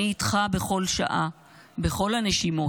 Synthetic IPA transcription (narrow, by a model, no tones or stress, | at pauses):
itχabe̞χo̞lʃa̰ʔa | be̞χo̞lhaneʃimo̞